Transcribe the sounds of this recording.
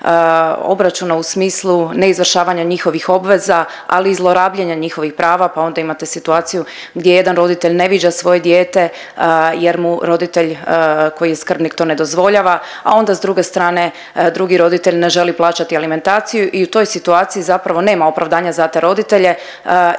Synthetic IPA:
o̞̰bɾat͡ʃunausmiːslˠune̞izʋr̩ʃaːʋaɲaɲixo̞ʋixo̞bʋe̞za | a̰liːzlˠo̞ɾaːbʎeɲaɲixo̞ʋixpɾʔaːʋapao̞nd̪aimat̪e̞sit̪uaːt̪siju | ɡd̪jeje̞d̪anɾo̞d̪it̪e̞ʎne̞ʋid͡ʑasʋo̞je̞d̪jeːt̪e̞ | je̞ɾmuɾo̞d̪it̪e̞ʎko̞jijeskr̩bnikt̪o̞ne̞d̪o̞zʋo̞ʎaːʋa | a̰o̞nd̪azd̪ɾuːɡe̞st̪ɾaːne̞ | d̪ɾuɡiɾo̞d̪it̪e̞ʎne̞ʒe̞liplˠaːt͡ʃat̪ialime̞nt̪aːt̪sijuʔiut̪o̞jsit̪uaːt̪sijizapɾaʋo̞ne̞ːmaopɾaʋd̪aːɲazat̪e̞ɾo̞d̪it̪e̞ʎe̞

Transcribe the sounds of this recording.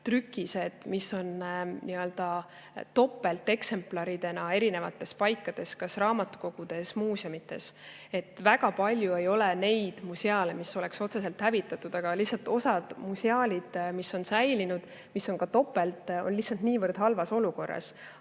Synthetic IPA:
t̪rykːˑise̞d̪̥misːo̞nniøld̪̥ɑ | t̪o̞pːˑe̞lt̪ːˑe̞kse̞mplɑɾid̪e̞nɑe̞ɾine̞vɑt̪ːˑe̞spɑjkːˑɑd̪̥e̞skɑsrɑːmɑt̪ːˑu̥ko̞ɡ̥ud̪̥e̞smuːseomit̪ːˑe̞̰s | e̞t̪ːˑvæɡ̥ɑpɑlʲjue̞jo̞lɛne̞jd̪̥museɑlemiso̞le̞kso̞t̪se̞se̞lt̪hævit̪ːˑɑt̪ːˑud̪̥ɑɡ̥ɑlihsːɑlt̪ːˑo̞sɑd̪̥museɑːlʲid̪̥misːo̞nsæjlinud̪̥ | miso̞nkɑt̪o̞pːˑe̞lt̪o̞̰nlihsɑlt̪niːvərd̪̥hɑlvɑso̞luko̞rːɑ̰s

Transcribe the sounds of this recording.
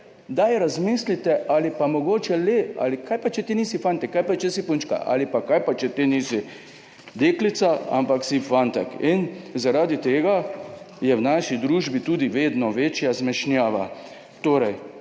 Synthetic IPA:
d̪ajɾazmislit̪ɛʔalipamɔɡoːt͡ʃɛlea̰likʰajpat͡ʃɛt̪iniːsifant̪ɛkːajpat͡ʃɛsipunt͡ʃka̰ʔa̰lipakajpat͡ʃɛt̪iniːsi | d̪eklit̪saa̰mpaksifant̪ɛ̰kinzaɾaːd̪it̪eːɡa | jɛwnaːʃid̪ɾuːʒbit̪uːd̪iʋeːd̪nɔʋeːt͡ʃjazmɛʃnjaːʋa̰ | t̪oːɾɛj

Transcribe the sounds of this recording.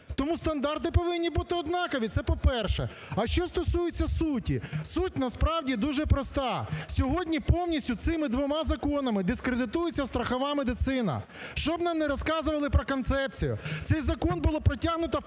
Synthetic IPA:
t̪ɔmust̪ɐnd̪ɑrt̪ɪpɔʋɪnʲːibut̪ɪɔd̪nɑkɐʋʲit̪sɛpɔpɛrʃɛ̰ | ɐʃt͡ʃɔst̪ɔsujet͡sʲːɐsutʲisutʲnɐspɾɑwdʲid̪uʒɛpɾɔst̪ɑsʲɔɦɔdʲnʲipɔwnʲisʲtʲʊt̪sɪmɪd̪ʋɔmɑzɐkɔnɐmɪd̪ɪskɾed̪ɪt̪ujʊt͡sʲːɐst̪ɾɐxɐʋɑmed̪ɪt̪sɪnɐ̰ | ʃt͡ʃɔbnɑmnɛɾɔskɑzʊʋɐlˠɪpɾɔkɔnt̪sɛp̚t͡sʲijʊ̰t̪sɛjzɐkɔnbʊlˠɔpɾɔtʲaɦnʊt̪ɐ

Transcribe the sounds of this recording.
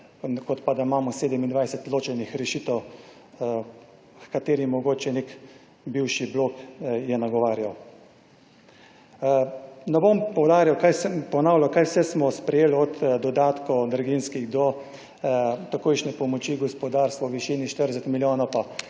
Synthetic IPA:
kɔt̪pad̪aimaːmɔseːd̪ɛmind̪ʋajsɛt̪loːt͡ʃɛnixɾɛʃiːt̪ɛw | kkat̪eːɾimɔɡoːt͡ʃɛnek | biwʃiblokjɛnaɡɔʋaːɾjaw | nɛbompɔwd̪aːɾjawkajsɛmpɔnaːwlʲawkajwsɛsmɔspɾɛjeːlɔt̪d̪ɔd̪aːt̪kɔd̪ɾɡinskiɣd̪ɔ | t̪akoːjʃnɛpɔmɔt͡ʃiɡɔspɔd̪aːɾst̪ʋɔwʋiʃiniʃt̪əɾsɛt̪miljoːnapa

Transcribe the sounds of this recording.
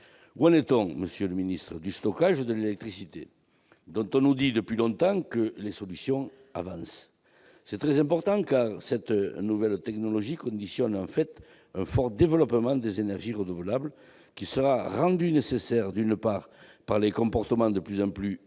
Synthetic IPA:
wãnet̪ɔ̃məsjøləminist̪χəd̪yst̪ɔkaʒəd̪əlelɛk̚t̪χisit̪e | d̪ɔ̃t̪ɔ̃nud̪id̪əpɥilɔ̃t̪ɑ̃kəlesɔlysjɔ̃ | a̰vɑ̃sː | ɛt̪χɛzɛ̃mpɔʁt̪ɑ̃kaʁsɛt̪nuvɛlt̪ɛknɔlɔʒikɔ̃nd̪isjɔnɑ̃fɛt̪ | ɛ̃fɔʁd̪evəlɔpəmɑ̃d̪ezenɛʁʒiʁənuvəlablə | kʲisəʁaʁɑ̃d̪ynesesɛʁd̪ynəpaʁpaʁlekɔ̃mpɔʁt̪əmɑ̃d̪əplyzɑ̃ply

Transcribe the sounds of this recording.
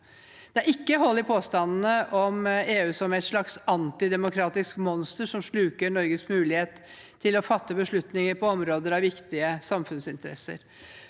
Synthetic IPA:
d̪̥ɛæɾɪkːəɦɔlːɪpʰoːst̪ɑnn̩əʔɔmeːʉːsɔmæɛt̪ʂɭɑksɑnt̪ɪd̪ɛmʊkʰɾɑːt̪ɪskmɔnst̪əʂɔmʂɭʉːkəɳɔɾɡəsmʉːlɪheːt̪ | t̪ʰːɪlɔfɑt̪ːəbəʂɭʉt̪nɪŋəɾpɔɔmɾoːd̪əɾɑʋʋɪkt̪ɪəsɑmfʉnsɪnt̪əɾɛ̰sə̰ɾ

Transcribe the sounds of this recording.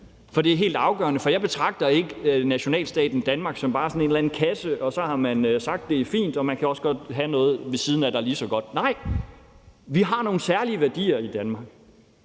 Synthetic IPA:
fɒ̽d̥e̝æɐɦe̝̰ːld̥ɑ̈ʊɡ̥ɶ̰ɐnəfɒ̽jɑ̈ɪbe̝t͡sʰʁɑ̈ɡ̥̚d̥ɐe̝ɡ̥ənæɕo̝nɛ̰ːlsd̥ɛ̰ːd̥n̩d̥ænmɑ̈ɡ̥sɒ̽mb̥ɑ̈ːsɔ̽ne̝nlæn̩kʰæsəʔɒ̽sɒ̽hɑ̈mænøsɑ̈ɡ̥̚d̥ːe̝æɐfḭːnd̥ɒ̽mænkʰæɒ̽səɡ̥ɒ̽d̥ɦænɔ̽ːð̞̩ˠʋe̝siːð̞ˠn̩æd̥ɑ̈liːsɒ̽ɡ̥ɒ̽d̥̚nɑ̈ɪ̰ | ʋiɦɑ̈no̝ːn̩sæɐliəʋæɐd̥ḭːɐid̥ænmɑ̈ɡ̥̚

